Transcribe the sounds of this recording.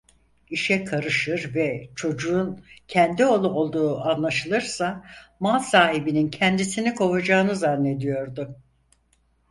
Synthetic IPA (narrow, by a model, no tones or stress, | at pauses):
iʃɛkʰaɾɯʃɯɾvɛt͡ʃʰo̞d͡ʒuːncʰɛnd̪io̞lˠuo̞lˠd̪uːʔanlˠaʃɯlˠɯɾsamalˠsaːɦibinincʰɛnd̪isinikʰo̞vad͡ʒaːɯnɯzanːe̞d̪ijo̞ɾd̪ʊ